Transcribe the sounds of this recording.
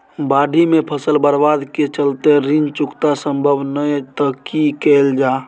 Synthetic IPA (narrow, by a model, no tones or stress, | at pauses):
baɖʱimepʰəsəlbəɾbad̪ket͡ʃəlt̪eɾind͡ʒt͡ʃʊkt̪asəmbʱəbnəjt̪əkikɛld͡ʒaː